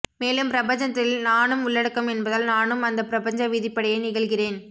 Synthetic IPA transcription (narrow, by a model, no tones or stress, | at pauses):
meːlɯmpɾɐbɐɲd͡ʒɐt̪ːɪlnaːnɯmʊɭːɐɽɯkːɐmɛnbɐðɐlnaːnɯmɐnd̪ɐpːɪɾɐbɐɲd͡ʒɐʋɪðɪpːɐɽɐjɐɪnɪɣɐɭɣɪreːn